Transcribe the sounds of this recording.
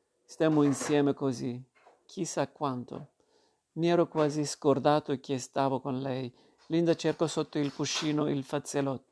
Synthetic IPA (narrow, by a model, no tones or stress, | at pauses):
st̪ɛmoinsjɛːmekozi | kʰisakːwant̪o̰ | miɛːɾokwaːziskord̪aːt̪oekːest̪aːvokonlɛj | lind̪at͡ʃɛrkosot̪ːoilkuʃːiːnoilfat̪selɔt̪ː